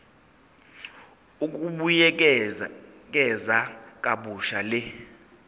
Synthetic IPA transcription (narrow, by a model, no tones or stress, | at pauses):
uk̬ʼuɓujɛ | k̬ʼɛzakʼaɓuʃalɛ